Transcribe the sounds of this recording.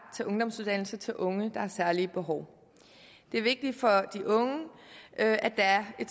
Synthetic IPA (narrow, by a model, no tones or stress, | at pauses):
t͡sʰe̝lʔɔ̽ŋd̥ɒ̽msuð̞ˠd̥æn̰l̩sɐt͡sʰe̝lʔɔ̽ŋəd̥ɑ̈hæsæɐliəb̥e̝ɦɒʊ̰ | d̥e̝æɐʋe̝ɡ̥̚d̥i̥fɒ̽d̥iʔɔ̽ŋəʔøʔæ̥ææɐe̝̥